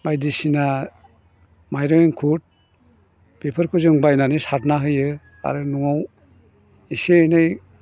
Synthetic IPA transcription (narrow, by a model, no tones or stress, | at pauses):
bajdisina | majɾɯenkʰut̚ | pepʰɯɾkʰuzɯŋbajnanisat̚naɦɯjɯ | a̰ɾɯnuaw | isenɯj